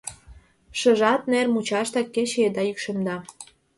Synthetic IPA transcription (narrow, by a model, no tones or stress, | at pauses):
ʃə̆ʒɑt̪̚nermut͡ɕɑʃt̪ɑkːet͡ɕed̪ɑykʃemd̪ɑ